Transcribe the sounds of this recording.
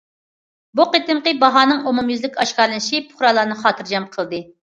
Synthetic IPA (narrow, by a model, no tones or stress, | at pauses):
buqet̪ɨmqəbɑɦɑːnɨŋomumjyzlɪkʲɑʃkɑɾlˠɨnɪʃipʰʊ̥χɾɑlˠɑːnɨχɑːt̪ʰɨɾd͡ʒɑmqʰəlˠd̪ɨ